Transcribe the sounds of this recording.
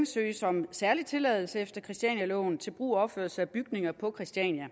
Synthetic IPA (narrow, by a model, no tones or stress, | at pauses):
msø̰ːɪsɒ̽msæɐlit͡sʰe̝lɛ̰ːðˠl̩səefd̥ɐkʰʁɛsd̥ɛ̰njælɔ̰ːn̩t͡sʰe̝lb̥ʁṵːɒbføɐ̰lsəæb̥yɡ̥ne̝ŋɐpʰɒ̽kʰʁɛsd̥iɛnjæ